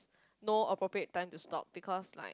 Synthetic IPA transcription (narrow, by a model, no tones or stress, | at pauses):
noəpɹopɹiət̚ːãɪ̃mtustɔ̰p̚b̥ikʰɔsla̰ɪ